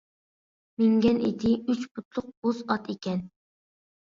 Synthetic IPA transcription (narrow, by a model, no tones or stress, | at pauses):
mɪŋɡʲɛnḛd̪ɪyt͡ʃpʰʊt̪ʰlˠʊq̚bozɑt̪ʰekʲɛn